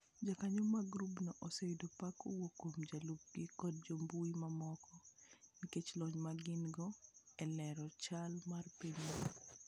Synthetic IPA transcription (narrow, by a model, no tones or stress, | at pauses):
d͡ʒakaɲomaɡɾubnɔʔɔsewidopakowokːomd͡ʒalub̚ɡ̥ikɔd̚d͡ʒombuimamɔkɔniket͡ʃlɔɲmaɡɪnɡɔɛlɛɾɔt͡ʃalmarpiɲ